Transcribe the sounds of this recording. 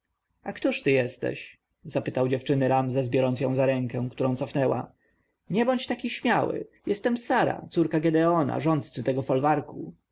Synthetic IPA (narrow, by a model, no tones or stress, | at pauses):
ʔakt̪uʂt̪ɘjɛst̪ɛ̰ɕ | zapɘt̪awd͡ʑɛft͡ʂɘnɘɾamzɛzbʲjɔɾɔnsjɔ̃w̃zaɾɛŋkɛw̃kt̪uɾɔ̃w̃t̪sɔfnɛwa̰ | ɲɛbɔɲt͡ɕt̪akʲiɕmʲjawɘ̰jɛst̪ɛmsaɾa̰t̪suɾkaɡɛd̪ɛɔna̰ʐɔ̃nt̪t̪sɘt̪ɛɡɔfɔlvaɾku